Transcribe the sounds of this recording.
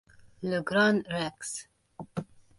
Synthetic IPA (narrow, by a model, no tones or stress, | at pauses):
ləɡɾanɾɛks